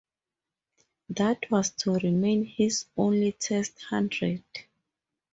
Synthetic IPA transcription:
ðatʰwɔstʰuɹimẽnhizõnlitʰɛsthãndɹɛd̥

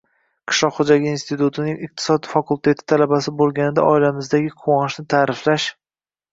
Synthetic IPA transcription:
qʰɨ̥ʃlˠɒqχod͡ʒaɡʲɪinst̪ɪt̪ut̪ʰɪnɪŋɪq̚t̪ʰɪ̥sɒd̪fakʰulˠt̪ʰe̞t̪ʰɪ̥t̪ʰalabasɪbolˠɡʲanɪd̪a̰ʔɒɪlamɪzd̪aɡʲɪqʰʊwɒnɪʃnɪt̪ʰaːɾɪflaʃ

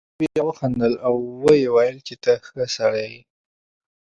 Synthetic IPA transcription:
eawəxand̪əlawːəjewɑjɪlket̪axəsaɽaji

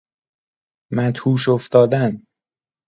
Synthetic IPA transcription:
mæt̪huːʃoft̪ɒːd̪æn

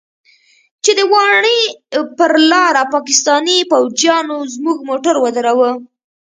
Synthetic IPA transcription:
t͡ʃed̪əwɑɳipəɾlɑɾapɑkɪst̪ɑnipawd͡ʒjɑnozmuɡmoʈaɾwad̪aɾawə

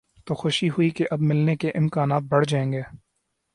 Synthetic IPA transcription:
t̪oːxʊʃiɦʊikeʔɐbmɪlnekeʔɪmkaːnaːt̪̚bɐɽ̤d͡ʒaːẽːŋɡeː

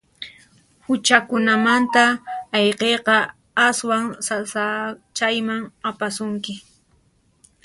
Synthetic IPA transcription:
hʊt͡ʃakʊnamant̪aɑjqejqɑ | aswaŋsasat͡ʃajmaŋapasʊŋkɪ

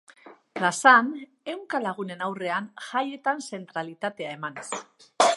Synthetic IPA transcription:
plasan | e̞wŋkalaɣ̞une̞nawre̞anʝaje̞t̪anse̞nt̪ɾalit̪at̪e̞ae̞manes

